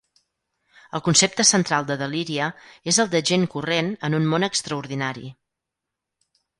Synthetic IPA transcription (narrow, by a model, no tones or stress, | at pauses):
əlˠkunsep̚t̪əsənt̪ɾalˠd̪əðəliɾiəezəlˠd̪əʒeŋkurenənunmonəkst̪ɾəuɾðinaɾḭ